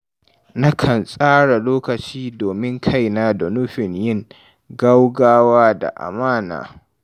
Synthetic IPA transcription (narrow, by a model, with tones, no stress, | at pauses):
na˦kʰɐ˨nsʼaː˦ɽa˨loː˦kɐ˨t͡ʃiː˦doː˨mɪ˦ŋkʰa˦jnaː˦dɔ˨nʊ˦ɸɪ˨ɲjɪ˦˨ŋ | ɡa˦wɡaː˦waː˦da̰˨ʔa̰˨maː˦na̰ː˨